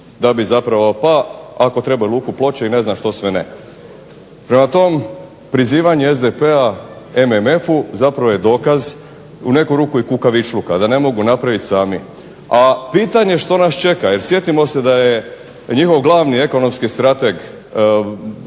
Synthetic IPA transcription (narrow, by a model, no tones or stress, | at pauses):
d̪abizapɾaʋopaako̞t̪ɾe̞baulˠuːkuplo̞t͡ɕeine̞znaʃt̪o̞sʋenḛ | pɾe̞mat̪o̞m | pɾiziːʋaɲeezd̪epea | e̞meme̞fuzapɾaʋojed̪o̞ːkaz | une̞kuɾuːkuikukaʋit͡ʃlukad̪ane̞mo̞ɡunapɾaʋit̪ʲsaːmi | apiːt̪aɲe̞ʃt̪o̞nast͡ʃe̞kaje̞ɾsje̞t̪imo̞se̞d̪aje | ɲixo̞ʋɡlˠaʋnie̞ko̞no̞mskist̪ɾat̪eɡ